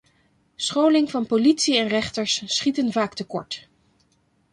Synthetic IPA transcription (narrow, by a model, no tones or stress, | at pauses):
sχowlɪŋv̥ɑnpolitsiɛnrɛχtəɹsːχitənvaːktəkɔ̰ɹt